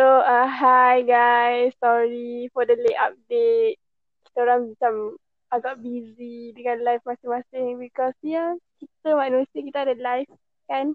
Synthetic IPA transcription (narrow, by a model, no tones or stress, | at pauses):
soaɦajɡajsːɔɹifɔdəleʔa̰p̚det̚ | ki̥t̪əoɾãŋmat͡ʃam | aɡaʔbizidəkãnlajfmasɪŋmasɪŋbikɔsiakit̪əmaʔnusəkit̪əadəlajf | kãn